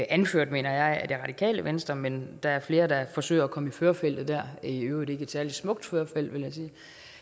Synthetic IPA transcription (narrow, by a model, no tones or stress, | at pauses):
ʔænføɐ̰d̥me̝̰ːnɐjɑ̈ɪæɐd̥e̝ʁɑ̈d̥ikʰɛ̰ːləʋensd̥ʁɐmend̥ɑ̈æɐfle̝ːɐd̥ɑ̈fɒ̽sø̰ːɐɒkʰɒ̽məiføːɐfel̰d̥ð̩ˠd̥æɐ̰iøːʊe̝ɡ̥əed̥sæɐlid̥smɔ̽ɡ̥̚d̥føɐfel̰d̥ʋe̝ljɑsiː